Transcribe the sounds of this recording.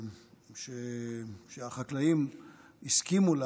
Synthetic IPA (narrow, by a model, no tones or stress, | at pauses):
ʃeʃeaχaklaim | iskimula